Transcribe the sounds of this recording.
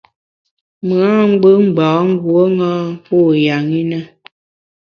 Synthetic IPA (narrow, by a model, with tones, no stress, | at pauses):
m˨a˦ŋ͡m̩˦ɡ͡bə˦m̩˦˨bɔ˨˦ŋ̩˦ɡwo˦ŋaː˦pu˦˨ja˨ŋi˦nə˦